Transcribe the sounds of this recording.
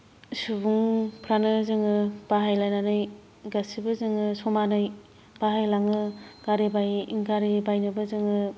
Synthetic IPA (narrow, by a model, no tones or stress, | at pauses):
subuŋpʰɾanɯzɯŋɯb̥aɦajlajnanɯj | ɡasibɯzɯŋɯsɔmanaj | b̥aɦajlaŋɯɡaɾibajiŋɡaɾibajnɯbɯzɯŋɯ